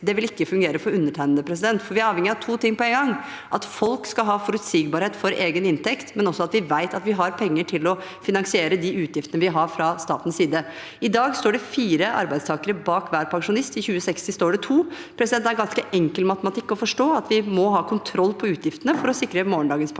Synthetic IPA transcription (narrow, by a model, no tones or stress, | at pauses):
d̪ɛʋɪlɪkːəfʉŋɡeːɾəfɔɾʉnːəʈʰæɪnəd̪əpʰɾɛs̬ɪd̪ɛnt̪fɔɾʋɪæɾɑːʋɛŋːɪɑʋt̪ʰuːt̪ɪŋːpɔɛŋɡɑŋ | ʔɑt̪fɔlkskɑlɦɑːfɔɾʉt̪siːɡbɑːɾheːt̪fɔɾʔeːɡənɪnt̪ʰɛkt̪mɛnɔsːɔɑt̪ʋɪʋæɪt̪ɑt̪ʋɪɦɑɾpʰɛŋːəʈʰɪlɔfɪnɑŋsɪeːɾəd̪iʉːt̪jɪft̪ənəʋɪɦɑɾfɾɑst̪ɑːt̪n̩siːd̪ə | ɪd̪ɑːɡst̪oːɖɛfiːɾəʔɑ̰ɾbæɪd̪st̪ʰɑːkəɾəbɑːkʋæːɾpʰɑŋʂʊnɪst̪ɪçʉːəsɛkst̪ɪst̪oːɖɛt̪ʰuː | pʰɾɛsɪd̪ɛnt̪æɾɡɑnskəʔɛŋkəlmɑt̪əmɑt̪ʰɪkːɔfɔʂʈoːɑt̪ʋɪmɔɦɑːkʰʊnt̪ʰɾɔlːpʰɔʉːt̪ʰjɪft̪ənəfɔɾɔsɪkːɾəmoːəɳɖɑːɡənspʰ